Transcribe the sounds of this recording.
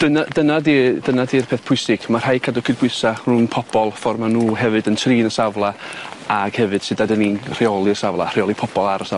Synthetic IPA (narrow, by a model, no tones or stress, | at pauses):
d̥ənadənadid̥ənadiːrpʰeːθpʰʊɨsɪɡ̥mar̥ajkʰadɔkʰɨdbwɨsaruːnpʰɔb̥ɔlˠfɔrmanuːɦɛvɨdəntʰriːnəsavlˠaaɡ̥hɛvɨd̥sɨdadəninr̥iɔlˠɨəsavlˠa̰r̥ɪɔlˠipʰɔb̥ɔlˠaɾəsa